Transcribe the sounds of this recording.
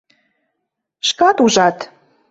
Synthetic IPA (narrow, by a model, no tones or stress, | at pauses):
ʃkɑt̪uʒɑt̪